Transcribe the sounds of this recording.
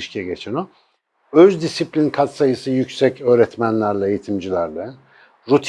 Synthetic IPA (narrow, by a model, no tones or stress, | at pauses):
ʃcʰiɛɟet͡ʃʰɛno | øzd̪isiplʲinkʰat̪sajɯsɯjycsɛcø̞ːɾɛt̪mænlʲæɾlʲˠɛejit̪ʰimd͡ʒilʲæɾlˠɛ | ɾut̪ʰ